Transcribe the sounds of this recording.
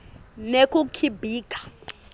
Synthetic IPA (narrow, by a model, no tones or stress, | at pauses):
nekʼukʰibʱiːkʼḁ